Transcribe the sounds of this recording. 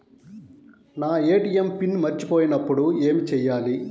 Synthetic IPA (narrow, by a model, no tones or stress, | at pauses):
naːeːʈijempinmɐɾt͡ʃi̥po̞ːjinɐpːuɽue̞ːmit͡ʃɛːjːaːli